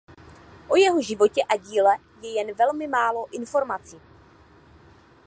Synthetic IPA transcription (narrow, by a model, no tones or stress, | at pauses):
ʔo̞jɛɦo̞ʒɪvo̞cɛʔaɟiːlɛ | jɛjɛnvɛlmɪmaːlo̞ʔɪnfo̞ɾmat͡siː